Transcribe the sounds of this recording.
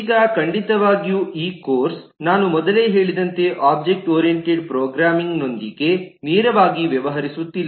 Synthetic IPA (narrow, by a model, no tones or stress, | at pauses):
ɡɐkɐɳɖit̪ɐʋaːɡijuʔiːkoːɾs | naːnumɔd̪ɐle̞ːɦe̞ːɭid̪ɐnt̪e̞ʔaːb̚d͡ʒek̚ʈoːɾijeɳʈeɖpɾoːɡɾaːmiŋɡno̞nd̪iɡe̞niːɾɐʋaːɡiʋjɐʋɐɦɐɾisut̪ːilː